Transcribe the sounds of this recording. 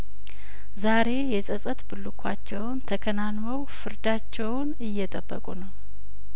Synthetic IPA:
zaɾe̞jɛsʼəsʼət̪bɨlːukʷʰat͡ʃːɛwnt̪ʰəkʰənanməwfɨɾd̪at͡ʃːɛwnɨjːɛt̪ʼəbːə̰kʼṵnəw

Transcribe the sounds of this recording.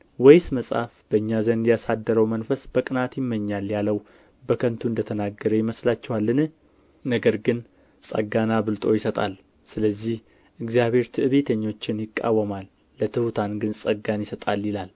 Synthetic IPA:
wɔjsməsʼa̰fb̥əɨɲːazənd̪jasad̪ːəɾəwmənfəsb̥əkʼɨnat̪jɪmːəɲːaljaləw | bəkʰənt̪ʰuɨnd̪ət̪ʰənaɡːəɾəjɪməslat͡ʃːɛwalːɨnɨh | nəɡəɾɡɨn | sʼə̰ɡanabɨlt̪ʼo̞jɪsət̪ʼal | sɨləzːih | ʔɨɡzijaβhe̞ɾt̪ʰɨʔɨβe̞t̪ʰəɲːo̞t͡ʃːɪnjɪkʼːa̰wːəmalː | ət̪ʰɨhut̪ʰanɡɨnsʼəɡanjɪsət̪ʼaljilal

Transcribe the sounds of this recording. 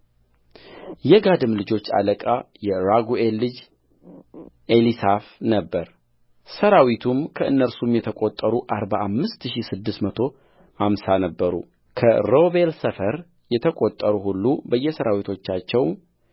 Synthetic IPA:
jɛɡad̪ɨmlɨd͡ʒo̞t͡ʃːa̰ləkʼajɛɾaɡuelːɨd͡ʒ | ʔelisafnəbːəɾ | səɾawit̪ʰumkʰəɨnːəɾsumjɛt̪ʰəkʼot̪ʼːəɾuʔaɾbaamːɨst̪ʃisɨd̪ːɨsmət̪ʰo̞ | hamsanəbːəɾṵ | kʰə̰ɾo̞be̞lsəfəɾ | jɛt̪ʰəkʼot̪ʼːəɾuhulːubəjːɛsəɾawit̪ʰo̞t͡ʃːat͡ʃːɛwm

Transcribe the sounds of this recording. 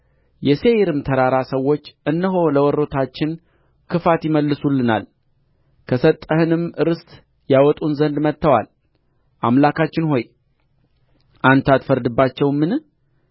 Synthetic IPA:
jɛse̞jɾɨmt̪ʰəɾaɾasəwːo̞t͡ʃːɨnːəɦo̞ləwɔɾːo̞t̪ʰat͡ʃːɪn | kʰɨfat̪jɪməlːɨsulːɨna̰l | kʰəsət̪ʼːəhɨnɨmɨɾɨst̪ | jawɔt̪ʼunzənd̪mət̪ːəwal | ʔamlakʰat͡ʃːɪnho̞j | ʔant̪ʰat̪fəɾd̪ɨbːat͡ʃːɛwmɨn

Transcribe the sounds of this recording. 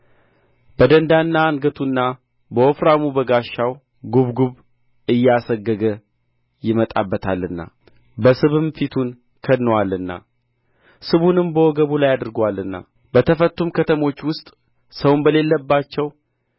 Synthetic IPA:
b̥əd̪ənd̪anːaːŋɡət̪ʰunːa | bəofɾamubəɡaʃːaw | ɡuβɡuβ | ɨjːasəɡːəɡə | jɪmət̪ʼabːət̪ʰalːɨnːa̰ | bəsɨβɨmfit̪ʰun | kʰəd̪nːəwalːɨnːa̰ | sɨβunɨmbəwɔɡəβulajad̪ɨɾɡwalːɨnːa̰ | bət̪ʰəfət̪ːumkʰət̪ʰəmo̞t͡ʃːwʊst̪ʼ | səwnbəle̞lːəbːat͡ʃːɛw

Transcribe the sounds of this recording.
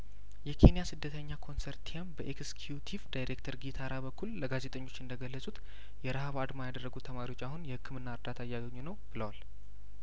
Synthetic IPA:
jɛkʰe̞nijasɨd̪ːət̪ʰəɲːakʰo̞nseɾtt̪ʰiambəʔekskʰjut̪ʰivd̪ajɾekt̪ʰəɾɡit̪ʰaɾabəkːulːəɡaze̞t̪ʼəɲːo̞t͡ʃːɨnd̪əɡəlːəsʼut̪ | jɛɾəhaβad̪majad̪ərːəɡut̪ʰəmaɾiwo̞t͡ʃːahunjɛhɨkʰːɨmɨnːaɨɾd̪at̪ʰaɨjːaɡəɲːunəwb̥ɨləwal

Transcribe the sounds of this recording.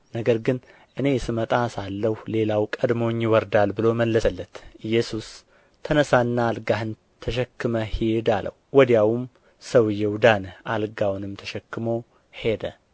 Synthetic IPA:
nəɡəɾɡɨn | ʔɨne̞sɨmət̪ʼasalːəhle̞lawkʼəd̪mo̞ɲːjɪwɔɾd̪albɨlo̞məlːəsəlːət̪ʔɨjːɛsus | t̪ʰənəsanːaːlɡahɨn | t̪ʰəʃɛkːɨməhed̪alə̰wwɔd̪jawum | səwɨjːɛwd̪anʔalɡawnɨmt̪ʰəʃɛkːɨmo̞ | he̞d̪ə

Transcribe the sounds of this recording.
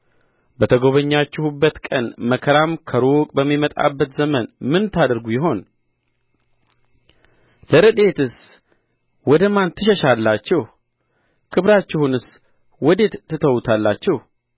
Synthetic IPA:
bət̪ʰəɡo̞βəɲːat͡ʃːɛhubːət̪kʼənməkʰəɾamkʰəɾokʼbəmːimət̪ʼa̰bːət̪zəmənmɨnt̪ʰad̪əɾɡujɪɦo̞n | ləɾɨd̪e̞t̪ɨs | wɔd̪əmant̪ʰːɨʃɛʃalːat͡ʃːɛh | kʰɨβɾat͡ʃːɛhunɨs | wɔd̪e̞t̪t̪ːɨt̪ʰəwt̪ʰalːat͡ʃːɛh

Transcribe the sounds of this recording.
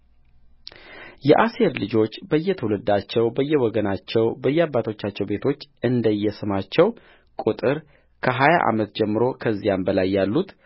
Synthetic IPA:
jɛʔase̞ɾlɨd͡ʒo̞t͡ʃːbəjːɛt̪ʰəwlɨd̪at͡ʃːɛwbəjːɛwɔɡənat͡ʃːɛwbəjːɛabːat̪ʰo̞t͡ʃːat͡ʃːɛwbe̞t̪ʰo̞t͡ʃːɨnd̪əjːɛsɨmat͡ʃːɛw | kʼut̪ʼɨɾ | kʰəɦaja̰ʔa̰mət̪d͡ʒɛmːɨɾo̞kʰəzːijambəlajːalːut̪

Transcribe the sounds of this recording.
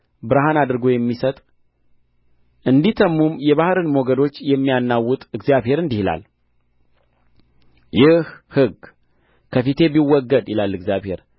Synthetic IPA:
bɨɾaɦanad̪ɨɾɡo̞jɛmːisət̪ʼ | ʔɨnd̪it̪ʰəmːumjɛβahɾɨnmoɡəd̪o̞t͡ʃːjɛmːijanːawːʊt̪ʼɨɡzjaβhe̞ɾɨnd̪ihila̰l | jɪhhɨɡ | kʰəfit̪ʰe̞biwːɔɡːəd̪jɪlalːɨɡzjaβhe̞̰ɾ

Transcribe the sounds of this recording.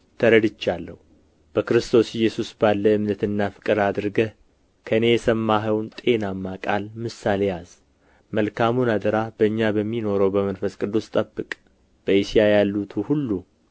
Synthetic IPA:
t̪ʰəɾəd̪ɨt͡ʃːalːə̰hu | b̥əkɨɾɨst̪ʰo̞sɪjːɛsusbalːəɨmnət̪ɨnːafɨ̥kʼɨɾad̪ɨɾɡə | kʰəne̞jɛsəmːaɦəwnt̪ʼe̞namːakʼalmɨsːale̞jaz̥ | məlkʰamunad̪əɾab̥əɨɲːabəmːino̞ɾəwbəmənfəskʼɨd̪ːust̪ʼəbːɨkʼ | b̥əisijajalːut̪ʰuhulːu

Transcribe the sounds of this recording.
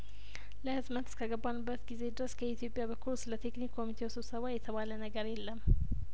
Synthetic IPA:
ləhɨzmət̪skʰəɡəbːanbːət̪ɡize̞d̪ɨɾəskʰəit̪ʰijo̞pʼjabəkʰulsɨlət̪ʰe̞knikʰːo̞mit̪ʰe̞wsɨβsəβajɛt̪ʰəβalənəɡəɾjelːəm

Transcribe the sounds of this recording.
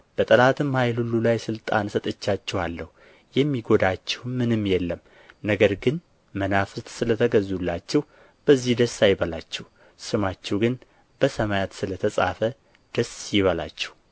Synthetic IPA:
b̥ət̪ʼəlat̪ʰɨmhajlhulːulajsɨlt̪ʼa̰nsət̪ʼɨt͡ʃːat͡ʃːɛhalːəhu | jɛmːiɡo̞d̪at͡ʃːɛwmːɨnɨmːjɛlːəm | nəɡəɾɡɨn | mənafɨt̪ʼsɨlət̪ʰəɡəzulːat͡ʃːɛh | b̥əzːihd̪əsːajbəlat͡ʃːɛh | sɨmat͡ʃːɛwɡɨn | b̥əsəmajat̪sɨlət̪ʰəsʼafə | d̪̥əsjɪβəla̰t͡ʃːɛ̥h

